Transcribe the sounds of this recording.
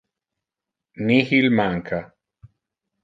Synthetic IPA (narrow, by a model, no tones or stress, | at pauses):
nihilmaŋkʰa